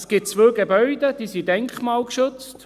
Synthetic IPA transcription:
sɡ̥ɪt̚t͡svøːɡebœʏd̥̪əd̥̪iːsidɛŋkχmɑːlkʃɵt͡st

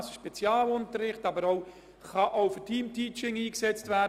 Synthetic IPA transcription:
səʃpɛt͡sjɑːlʊntəɾːɪχtɑbəɾoʊ | χɑʔoʊfətʰiːmtiːt͡ʃɪŋiːksɛt͡stvæː

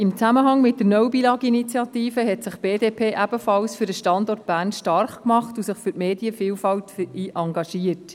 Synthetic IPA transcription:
ɪmt͡sæməɦɑŋmɪt̚d̥ənɔwbilɑːɡinit͡sjɑtiːfəɦɛtsɪχb̥eːdeːpʰeːʔæb̥əfɑlsfyɾdəʃtɑndɔrt̚b̥æːrnʃtɑrχkmɑχtusɪχfʏɾtmeːdiəfiːlfɑwtfiːʔʔɑŋɡɑʃiət

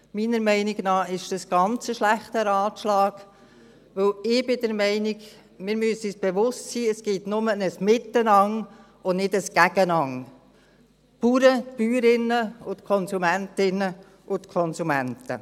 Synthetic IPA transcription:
miːnəɾmɛɪnɪɡnɑːɪʃd̥əsɡ̥ɑnt͡səʃlæχtəɾɑːt̪ʃlɑːɡ | ʋɵwɪb̥ɪd̥əɾmɛɪnɪɡ | mɪɾmyəsisb̥eʋʊstsiːəsɡ̥itnʊmənəsmɪt̪ːənɑŋ | ʊnɪdəsɡ̥æɡənɑŋ | puːɾətpyːɾɪnːəʊt̪kʰɔnsumæntɪnə | ʔʊt̪kʰɔnsumæntə̰

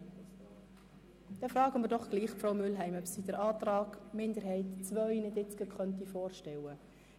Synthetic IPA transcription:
d̪̥ɛfrɑːɡəmɪɾdɔχɡ̥liːχfrowmʏlɦɛɪmœpsid̥əɾʔɑːtrɑːɡmɪnd̪əɾɦɛɪtt͡svœɥnɪdɪt͡sɡ̥əkʰχœntifɔːrʃtɛwə

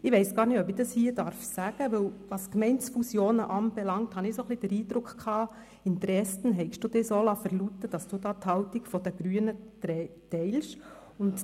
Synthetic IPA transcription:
ɪʋɛɪsɡ̥ɑːɾnɪtœpɪd̥ɑshiːəd̥ɑɾfsæɡ̥əʋɵwʋɑskmɛɪnsfusjoːnəʔɑmbɛlɑŋ̚t̪hɑnɪsoχlid̥əɾiːdɾʊkχkʰɑː | ɪnt̪ɾɛsən̩ɦɛɪkʃd̥uːd̥ɪsoːlɑfəɾlutːəd̥ɑsd̥uːd̥ɑːt̪hɑwtiɡfɔdɛɡ̥ɾyənətɛtɛɪlʃ | ʊnt

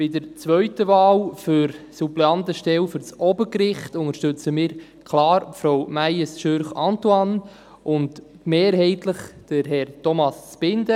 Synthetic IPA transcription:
pɪdəɾt͡sʋœɥtəʋɑːlfʏɾsuplɛɑntəʃtɛlfʏɾt͡sʔɔbəkɾɪχtʊŋəʃtʉt͡səmɪːɾ | kʰlɑːɾfɾowmæjəsʃøɾχɑntuɑn | ʔʊnd | meːɾɦɛɪtləχd̥əɾɦɛɾtɔmɑst͡sb̥ɪndə

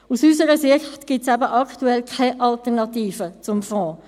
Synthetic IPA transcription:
usysəɾəsɪçtɡ̥ɪtsæbəʔɑktuɛlkʰɛʔɑltənɑtiːfət͡sʊmfɔ̃ː

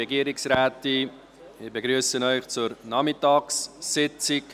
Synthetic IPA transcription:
ɛɡiəɾɪksraːti | ɪbəɡɾyːəsənœʏχt͡sʊɾnɑmɪtɑːksːɪt͡sɪk

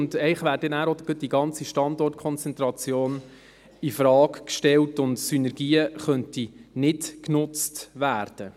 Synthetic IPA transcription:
ndɛɪχʋæːɾdɛnæːɾodɡət̚diɡɑnt͡siʃtɑndɔrtkʰɔnt͡sɛnt̪ɾɑt͡sjoːn | ɪfɾɑːkkʃtɛltʊntsynɛɾɡiːəχœntinɪtknʊt͡stʋæːɾd̥ə

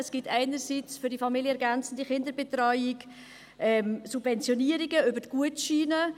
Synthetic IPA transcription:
əsɡ̥ɪtʰɛɪnəɾsiːt͡sfʏɾdifɑmiljəɛɾɡænt͡sən̩diχɪndəɾbɛtrɔʏɪk | ʔɛmsubvɛnt͡sjoniəɾiɡəʏbəɾtɡ̥uətʃiːnə

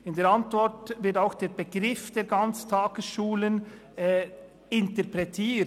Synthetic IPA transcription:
ɪndeːɾantvɔɾtvɪtaʊxd̥eːɾbəɡɾɪfd̥eːɾɡant͡stʰaːɡ̥əsʃuːlənː | ɪntəɾpɾɛtʰiː

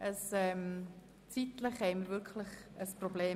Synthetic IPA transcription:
ʔəsɛːm | t͡sit̪ləχhɛɪməɾvʏɾkʰləχəsprobleː

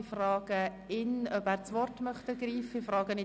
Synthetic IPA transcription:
frɑːɡ̥ə | ɪnœbæːɾt͡sʋɔɾtmœχtəɡriːfəɪfrɑːɡənɪ

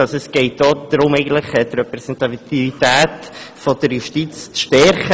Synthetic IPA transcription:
ɑsɔɛsɡ̥ɛɪtoːd̪̥ɾʊmɛɪɡən̩t̪ləχət̪ɾɛpɾɛsɛnt̪ɑtivitæːtfɔd̥əɾjuʃtit͡st͡sʃtɛɾχə

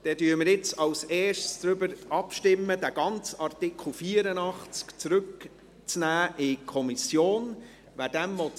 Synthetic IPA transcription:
d̥ɛdyːɾmɪɾjɪt͡sɑlseːʃtsd̥̪ɾʏbəɾɑpʃtɪmːəd̥̪æɡ̥ɑnt͡sɑrtɪkχl̩fiːəɾənɑχt͡skt͡sɾʏk | t͡snæːʔɪkʰɔmisjoːn | ʋæːdɛmvɔ

